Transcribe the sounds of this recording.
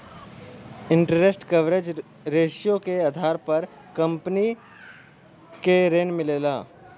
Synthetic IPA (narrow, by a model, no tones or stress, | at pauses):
ɪ̃ɳʈəɾesʈkɐʋɾeːd͡ʒ | ɾeːʃjõkeaːd̪ʱaːɾpɐɾ | kɐ̃mpni | keɾeːnmɪleːlaː